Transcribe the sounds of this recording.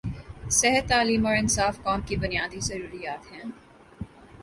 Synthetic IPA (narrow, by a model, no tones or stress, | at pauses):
sɛɦət̪ːaːliːmɔːɾɪnsaːfkɔːmkibʊnijaːd̪izɐɾuːɾijaːt̪ɦɛ̃ː